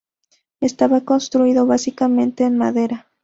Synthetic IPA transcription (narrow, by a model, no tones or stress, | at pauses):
e̞st̪aβako̞nst̪ɾuiðo̞βasikamẽ̞nt̪e̞ːnmaðe̞ɾa